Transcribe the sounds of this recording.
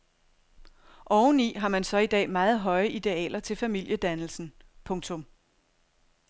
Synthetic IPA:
ʔɒʊnḭːɦɑ̈mænsɒ̽id̥ɛ̰ːmɑ̈ːð̞̩ˠɦɒ̽ɪəʔid̥e̝ɛ̰ːlɐt͡sʰe̝lfæmil̰jəd̥ænl̩sn̩ | pʰɔ̽ŋt͡sʰɔ̽m

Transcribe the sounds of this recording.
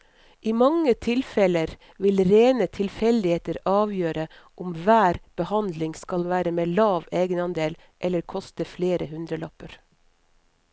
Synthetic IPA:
ʔiːmɑŋːət̪ʰɪlfɛləɾ | ʋɪlɾeːnət̪ʰɪlfɛld̪ɪheːt̪əɾɑːʋjøːɾə | ʔʊmʋæːɾb̥əhɑnd̪lɪŋskɑlʋæːɾəmeːlɑːʋeːɡənɑnd̪eːl | ʔɛləɾkʰɔst̪əfleːɾəhʉnd̪ɾəlœpəɾ

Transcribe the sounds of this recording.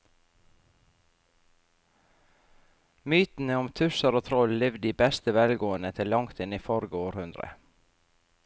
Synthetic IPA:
myːt̪n̩əɔmt̪ʰʉsəɾoːt̪ʰɾɔllɪʋd̪iːbɛst̪əʋɛlɡoːənət̪ʰɪlːɑŋt̪ɪniːfɔɾɡəoːɾhʉnd̪ɾə̰

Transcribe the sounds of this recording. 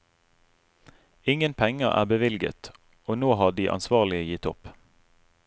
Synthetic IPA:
ɪŋənpʰɛŋəʔæ̰ːbəʋɪlɡə̰t̪ | oːnoːhɑːd̪iːʔɑ̰nsʋɑːʁlɪəjɪt̪ɔ̰p

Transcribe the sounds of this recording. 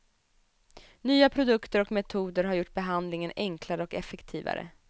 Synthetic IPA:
nyːapʰɾʊd̪ɵkt̪əɾɔkmɛt̪ʰuːd̪əɾɦaɾjʊʈːbɛɦand̪lɪŋənɛŋkʰlaɾəɔkɛfːɛkt̪ʰiːva̰ɾə̰

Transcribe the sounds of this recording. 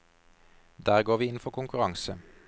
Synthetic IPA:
d̪æːʁɡoːʁʋiːɪn̩fɔʁkʰʊŋkʉʁɑŋsə

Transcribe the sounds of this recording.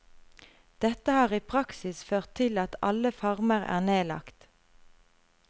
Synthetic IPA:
d̪̥ɛt̪əhɑːʁiːpʰʁɑksɪsføːʁt̪ʰɪlɑt̪ɑ̰ləfɑʁməʁæ̰ːʁneːlɑ̰kt̪

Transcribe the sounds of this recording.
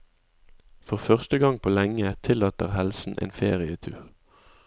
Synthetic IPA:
fɔʁfœʁst̪əɡɑŋpʰoːlɛŋət̪ʰɪlɑːt̪əʁhɛlsn̩ʔḛːnfḛːʁɪət̪ʰʉːʁ

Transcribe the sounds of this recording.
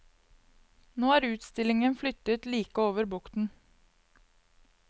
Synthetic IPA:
noːæːɾʉːt̪st̪ɪlɪŋənflʏt̪ət̪liːkəoːʋəɾbʊkt̪n̩

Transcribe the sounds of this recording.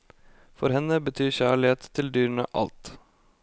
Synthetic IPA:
fɔɾhɛnəbət̪ʰyːçæːɭɪeːt̪ʰːɪld̪yːɾəɳə̰ʔɑ̰lt̪

